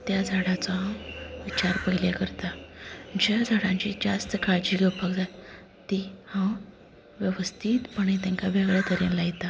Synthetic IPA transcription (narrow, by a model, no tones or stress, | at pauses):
t̪jad͡zʱaɽat͡saɦãʋit͡ɕaɾpəɦiljakəɾt̪ad͡ʑad͡zʱaɽãɲt͡ɕid͡ʑast̪əkaɾd͡ʑiːɡəpaɡd͡zat̪ː | ihã | ʋjəʋəst̪ʰiːt̪pəɳet̪̬jãŋkabeʋɾjat̪əɾinlajit̪a